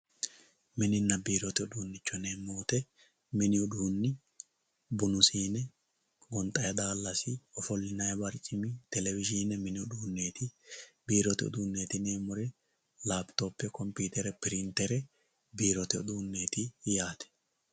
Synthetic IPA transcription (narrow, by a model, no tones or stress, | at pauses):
mɪnɪnːɐbiːɾɔt̪ɪʊd̪uːnːɪt͡ʃːɔne̞ːmːo̞ːt̪ɛ | mɪnɪʊᶑ̪uːnːɪ | bʊnʊsiːnɛ | ɡɔnt̪ʼɐjɐd̪aːlːɐsɪɔfɔlːɪnɐjɐbɐɾt͡ʃʼːɪmit̪ɛlɛvɪd͡ʒiːnɛmɪnɪʊᶑ̪uːnːe̞ːt̪ɪbiːɾɔt̪ɪɔ̰d̪uːnːe̞ːt̪ɪne̞ːmːɔɾɛ | laːbt̪o̞ːpːɛkɔmpiːt̪ɛɾɛpɪɾɪnt̪ɛɾɛ | biːɾɔt̪ɪɔ̰d̪uːnːe̞ːt̪ɪjaːt̪ɛ̥